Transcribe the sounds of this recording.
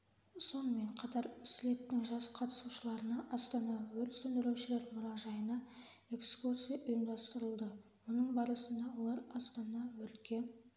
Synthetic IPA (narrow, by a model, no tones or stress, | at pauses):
so̞nəme̞ɴqʰɑt̪ɑɾsɪle̞t̪ːɪŋʒɑsqʰɑt̪ə̥suʃəlˠɑɾənɑʔɑst̪ɑnɑwɵɾt̪sɵnd̪ɪɾuwʃɪle̞ɾmʊɾɑʒɑjənɑ | e̞kskursijɑʔʊjəmd̪ɑst̪əɾəlˠd̪ə | wonəɴbɑɾəsənd̪ɑwo̞lˠɑɾɑst̪ɑnɑwɵɾt̪kʲe̞